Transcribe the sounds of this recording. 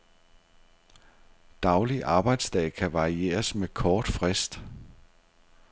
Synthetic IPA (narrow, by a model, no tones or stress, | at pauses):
d̥ɑ̈ʊliʔɑ̈ːb̥ɑ̈ɪ̰d̥sd̥ɛ̰ɪkʰæʋɑ̈ʁie̝̰ːɐsmekʰɒːd̥fʁɛsd̥